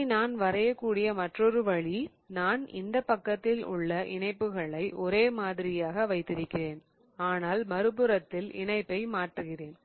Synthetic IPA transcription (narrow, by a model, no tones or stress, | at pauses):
naːnʋɐɾɐjɐkːuːɽɪjɐmɐʈrɔɾɯʋɐɭi | naːnɪ̰nd̪ɐpːɐkːɐt̪ːɪlʊ̰ɭːɐʔɪ̰ɳɐɪpːɯɣɐɭɐɪʔɔɾeːmaːðɪɾɪjaːɣɐʋɐɪt̪ːɪɾɯkːɪreːn | aːnaːlmɐɾɯpɯɾɐt̪ːɪlɪ̰ɳɐɪpːɐɪmaːʈrɯɣɪreːn